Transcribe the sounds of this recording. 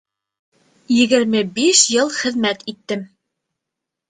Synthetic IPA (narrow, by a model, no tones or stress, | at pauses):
jɘ̆ɡɘ̆ɾmɘbiʃjɤlˠχɘ̆ðmæt̪it̪ːɘm